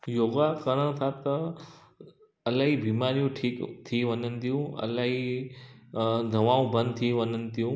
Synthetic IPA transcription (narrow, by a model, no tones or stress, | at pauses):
joːɡakəɾəɽ̃t̪ʰat̪ɐ | ɐlaːɦibʱiːmaːɾijũʈʰiːkt̪ʰiʋɐnənɪ̆t̪ʰijũɐ̰laːɦi | d̪ʱɐʋaːũbə̃nd̪t̪ʰiʋɐɲənɪ̆t̪ijũ